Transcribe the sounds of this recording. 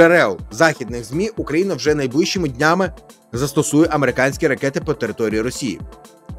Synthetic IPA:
eɾɛlˠzɑxʲid̪nɪxzʲmʲiʔukɾɐjinɐwʒɛnɐjblɪʃt͡ʃɪmɪdʲnʲamɪ | zɐst̪ɔsujɛʔɐmeɾɪkɑnʲsʲkʲiɾɐkɛt̪ɪpɔt̪eɾɪt̪ɔɾʲijiɾɔsʲijḭ

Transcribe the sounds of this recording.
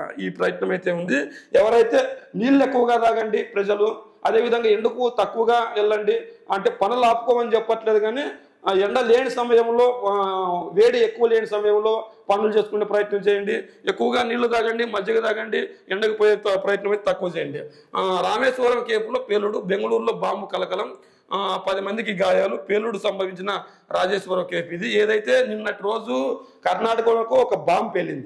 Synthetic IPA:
iːpɾɐjɐt̪nɐmɐjt̪eːund̪iɛʋɐɾɐjt̪e̞ːniːɭːue̞kːuʋɐɡaːd̪aːɡɐɳɖipɾɐd͡ʒɐlu | ɐd̪e̞ːʋid̪ʱɐŋɡaːeɳɖukut̪ɐkːuʋɐɡaːilːɐɳɖiɐɳʈe̞ːpɐnɐlaːpu̥kɔːmɐnit͡ʃɛpːɐʈleːd̪uɡaːneː | eɳɖɐleːnisɐmɐjɐmlo̞ː | ʋeːɽiekːuʋɐleːnisɐmɐjɐmlo̞ːpɐnulut͡ʃe̞ːsu̥kuɳɖeːpɾɐjɐt̪nɐmt͡ʃɛːjɐɳɖiekːuʋɐɡaːniːɭːud̪aːɡɐɳɖimɐd͡ʒːɐɡɐd̪aːɡɐɳɖiɛɳɖɐkippɾɐjɐt̪nɐmɐjt̪et̪ɐkːuʋɐt͡ʃeːjɐɳɖi | ɾaːmeːʃʋɐɾɐmkeːpuloːpe̞ːlːuɽube̞ŋɡɐluːɾlo̞ːbaːmbukɐlɐkɐlɐm | pɐd̪imɐnd̪ikiɡaːjaːlupe̞ːlːuɽusɐmbʱɐʋiɲt͡ʃinɐ | ɾʔaːd͡ʒeːʃʋɐɾɐmkeːpid̪ieːd̪ɐjt̪e̞ːninːɐʈiɾo̞ːd͡ʒukɐɾnaːʈɐkɐlɐkuɔkɐbaːmbpeɭːind̪i

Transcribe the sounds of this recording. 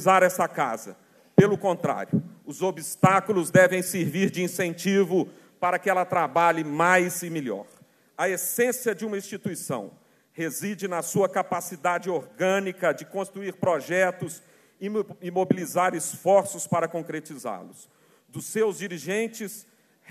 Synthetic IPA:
zaɾɛsɐka̰zɐ̰ | pelʊkõnt̪ɾa̰ɾjʊːzobist̪akʊlʊzd̪ɛvẽj̃seɾviɾd͡ʒɪĩsẽnt͡ʃivʊ | paɾɐkɪɛlɐt̪ɾabaʎɪmajzɪmelɔ̰ɾ | ɐesẽsiɐd͡ʒɪũmɐĩst͡ʃit̪uisɐ̰̃w̃ | hezid͡ʒɪnɐsuɐkapasid̪ad͡ʒɪoɾɡɐ̃nikɐd͡ʒɪkõst̪ɾuiɾpɾoʒɛt̪ʊs | ɪɪmobilizaɾɪsfɔɾsʊspaɾɐkõkɾet͡ʃiza̰ɾlʊs | d̪ʊsːewzd͡ʒiɾiʒẽnt͡ʃɪs

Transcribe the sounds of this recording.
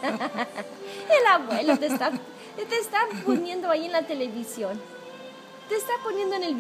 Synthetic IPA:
elaβwelot̪est̪a | t̪est̪aponjẽ̞nd̪oaienlat̪e̞le̞βisjon | t̪eːst̪aponjend̪oene̞lβ

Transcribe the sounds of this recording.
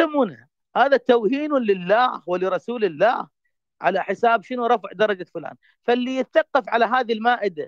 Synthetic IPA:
ɪmuna | haːðat̪awhiːnʊlɪlːaːhwɪlɪɾˤɑsuːlɪlːa̰ːh | ʕa̰laħɪsaːbʃɪnuɾˤɑfʕd̪ɑɾˤɑd͡ʒafʊla̰ːn | falːijɪt̪aθɑqːɑfʕalaɦaːðilmaːʔɪd̪a

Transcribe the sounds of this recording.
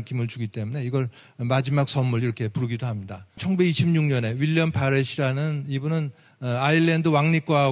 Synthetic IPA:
kʰimɯɭt͡ɕuɡit͈e̞mune̞iɡʌɭ | mad͡ʑimak̚s͈ʌmmuɭiɾʌkʰe̞puɾɯɡidohamɲidat͡ɕʰʌŋɡube̞ɡiɕʰimɲuŋɲʌne̞wiʎːʌmpʰaɾeɕʰiɾanɯnibunɯn | aiɭːendɯwaŋɲik̚k͈wa

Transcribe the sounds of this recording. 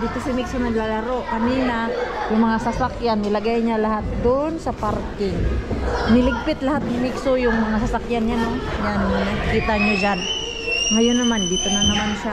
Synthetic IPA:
d̪iːt̪o̞sɐmɪɡsonɐɡlalɐɾo̞ʔkɐniːnajʊŋmɐŋasasakjanːɪlɐɡajɲalɐɦat̪̚d̪oʔnsɐpaɾkɪŋ | nɪlɪɡ̚pɪt̪lɐhat̪̚nɐŋmɪɡsojʊŋmɐŋasasakjanɲano̞ɲankiːt̪aɲad͡ʒan | ŋɐjonːɐmand̪iːt̪onɐnɐmansɐ

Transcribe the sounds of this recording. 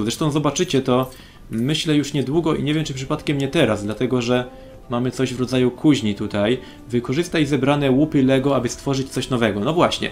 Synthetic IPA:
zɾɛʂt̪ɔ̃w̃zɔbat͡ʂɘt͡ɕɛt̪ɔ | mɘɕlɛjuʂɲɛd̪wuɡɔʔḭɲevjɛmt͡ʂɘpʂɘpat̪kʲɛmɲɛt̪ɛɾazd̪lat̪ɛɡɔʐɛ | mamɘt̪sɔʑvɾɔd̪zajukʰuʑɲit̪ut̪aj | vɘkɔʐɘst̪ajzɛbɾanɛwupɘlɛɡɔabɘst̪fɔʐɘt͡ɕt̪sɔɕnɔvɛɡɔnɔvwaɕɲɛ̰

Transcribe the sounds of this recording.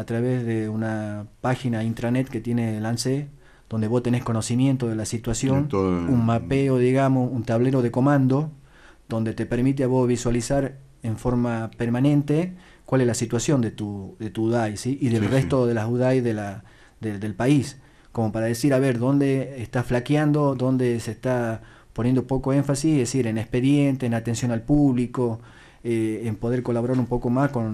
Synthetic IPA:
at̪ɾaβezðeunapaxinaint̪ɾanet̪ket̪jenelanse | ð̥o̞nd̪e̞βo̞st̪enesko̞no̞simje̞nt̪oðelasit̪wasjo̞nunmapeoðiɣamosunt̪aβleɾo̞ð̞eko̞mãnd̪o̞ | ðo̞nd̪et̪epeɾmit̪̬eaβo̞zβiswalisaɾ | eɱfo̞ɾmapeɾmanẽ̞nt̪e | kwale̞zlasit̪wasjo̞nd̪et̪uðet̪uuðajsiʔiðelrest̪o̞ðelasuðajðela | ðed̪elpais | ko̞mo̞paɾaðesiɾaβeɾðo̞nd̪e̞ːst̪asflakjand̪o̞ðo̞nd̪e̞sest̪a | ponjend̪opo̞koeɱfasisðesiɾenespe̞ðjent̪eːnat̪e̞nsjo̞nalpuβliko̞ | eːmpo̞ð̞e̞ɾko̞laβoɾaɾumpo̞ko̞masko̞n

